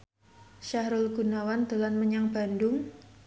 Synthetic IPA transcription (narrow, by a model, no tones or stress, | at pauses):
ʃaɦɾʊlɡunawand̪əlanməɲaŋba̤ndʊŋ